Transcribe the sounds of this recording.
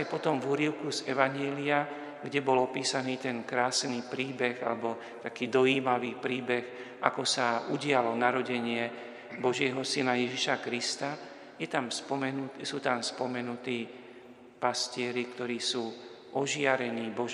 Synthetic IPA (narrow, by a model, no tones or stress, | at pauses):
ajpɔt̪ɔmvuɾiʊkuzɛʋaɲɛlia | ɡɟɛbɔlɔpiːsaniːt̪ɛnkɾaːsniːpɾiːbɛɣa̰lɛbɔ | t̪akiːd̪ɔiːmaʋiːpɾiːbɛxʔa̰kɔsauɟɪalɔnaɾɔɟɛɲɪɛ | bɔʒɪɛɦɔsinajɛʒiʃakɾist̪a | jɛt̪amspɔmɛnusuːt̪amspɔmɛnut̪iː | pascɪɛɾikt̪ɔɾiːsuː | ʔɔʒɪaɾɛniːbɔ